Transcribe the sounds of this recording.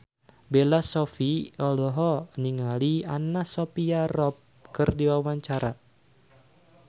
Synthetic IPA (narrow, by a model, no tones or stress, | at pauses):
belasɔfiɔlɔɦɔniŋalianasɔpiarɔp̚ | kɨrdiwawaɲt͡ʃaɾa